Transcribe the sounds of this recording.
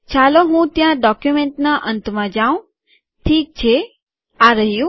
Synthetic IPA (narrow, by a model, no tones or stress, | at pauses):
t͡ʃʰaloɦũt̪jãɖɔkjumẽɳʈnaʔənt̪mãd͡ʒaũ | ʈʰiːk̚t͡ʃʰe | aɾəɦijũ